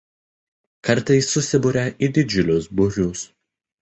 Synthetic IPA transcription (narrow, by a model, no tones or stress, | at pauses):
kɐɾˑt̪ɐɪsːʊsʲɪbʊɾʲɛʔid̪ʲɪd͡ʒʲʊlʲʊsbʊɾʲʊs